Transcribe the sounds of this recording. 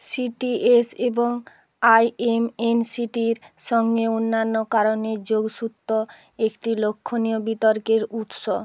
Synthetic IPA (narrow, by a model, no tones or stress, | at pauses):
siʈieseboŋ | ajemensiʈiɾʃɔŋɡeonːanːokaɾoned͡ʑoɡʃut̪ːo | ekʈilokʰːoniobit̪oɾkeɾut̪ʃo